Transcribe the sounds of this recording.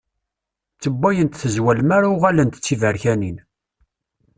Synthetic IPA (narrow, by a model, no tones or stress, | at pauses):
t͡sːəbːæjənt̪θəzwælmaɾaʁælənt̪ət͡sːivəɾçænin